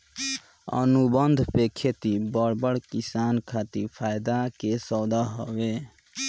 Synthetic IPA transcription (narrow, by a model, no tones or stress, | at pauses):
ə̰nubənd̪ʱpekʰet̪ibəɽbəɽkisankʰat̪iɾpʰajd̪akesəd̪aɦəbe